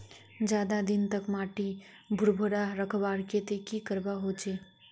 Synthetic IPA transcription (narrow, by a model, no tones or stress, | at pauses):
d͡ʒjaːd̪ad̪ɪnt̪əkmaːʈi | bʱʊɾbʱəɾaɾəkʰbaːɾket̪ekikəɾbaɦot͡ʃeː